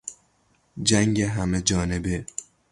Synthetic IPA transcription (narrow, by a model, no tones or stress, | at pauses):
d͡ʒæŋɡeɦæmed͡ʒɒːne̞be